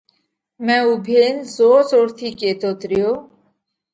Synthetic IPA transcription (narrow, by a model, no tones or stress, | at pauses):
mɛubʱenzɔsɔɾt̪ʰikʼet̪ɔt̪ɾio